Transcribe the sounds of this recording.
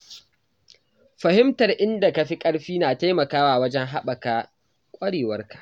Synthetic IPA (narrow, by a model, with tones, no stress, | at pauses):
ɸɐ˨hɪ˦mtɐ˨rʔɪ˦nda˨ka˨ɸi˦kʼɐ˦ɽɸiː˦naː˨ta˦jmɐ˨kaː˦waː˨wɐ˦d͡ʒɛ˦ŋɦa˦ɓɐ˨kaː˦ | kʷʼɐ˦ɽeː˨wɐ˦rkḁ˨ʔ